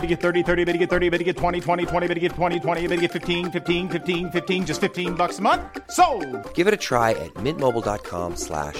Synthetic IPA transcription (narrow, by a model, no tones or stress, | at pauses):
ɾɨɡɛt̪̚θɜ˞ɾiθɜ˞ɾibeɪɾ̚ɨɡɛt̪̚θɜ˞ɾiɨbɛɾ̚ɨɡɛtʰw̥ɛ̃ɾ̃itʰw̥ɛ̃ɾ̃itʰw̥ɛ̃ɾ̃ibɪɾɨɡɛtʰw̥ɛ̃ɾ̃itʰw̥ɛ̃ɾ̃iɨbɪɾɨɡɛtfɪftĩnfɪftĩnfɪftĩnfɪftĩnd͡ʒʌstfɪftĩnbʌksəmʌ̃nθsoʊɡ̥ɪvɨɾɨtʰɹ̥aɪʔɨ̰t̚mɪ̃ntmoʊbl̩ˠdɑ̰t̚kʰɑ̰̃mslæ̰ʃ